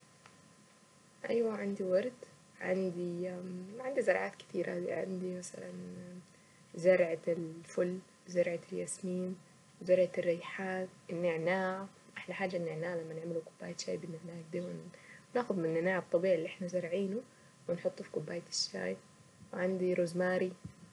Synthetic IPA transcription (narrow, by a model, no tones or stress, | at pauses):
ʔajwaʕand̪iwɑɾˤt̪ | ʕa̰nd̪imaʕand̪izɑɾˤʕaːt̪kɪ̥t̪iːɾʔa̰had̪ḭʕa̰nd̪imasa̰la̰n | zɑɾˤʕalfʊlː | zɑɾˤʕaɪljasmiːn | zɑɾˤʕarːɪjħaːt̪ʔɪnːɪʕnaːʕ | ʔaħlaħaːd͡ʒːaʔnːɪʕnaːʕlamːanɪʕmɪlukʊbːaːjt̪ʃa̰ːjbɪnːɪʕnaːjkd̪aːwannaːxʊðmɪnːɪnaːʕab̚t̪ˤːɑbiːʕilːiʔɪħnazɑɾˤʕiːnu | wɪnħʊt̪ˤːufi̥kʊbːaːjt̪ɪ̥ʃːa̰ːj | wʕand̪iɾʊzmaːɾi